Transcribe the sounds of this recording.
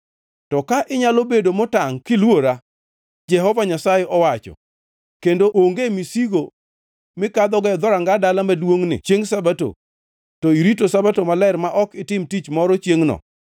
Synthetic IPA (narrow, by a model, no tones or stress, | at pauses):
tɔkaʔɪɲalobedomɔtaŋkɪlwoɾa | d͡ʒɛɦɔvaɲasajɛʔɔwat͡ʃɔ̰ | kendoʔoŋɡemisiɡo | mɪkad̪ɔɡɛɔd̪ɔɾaŋɡadalamadwoŋnɪ̰t͡ʃjeŋsabato̰ | tɔiɾitosabatomalɛɾmaʔɔkɪtɪmtit͡ʃmɔɾɔt͡ʃjeŋnɔ̰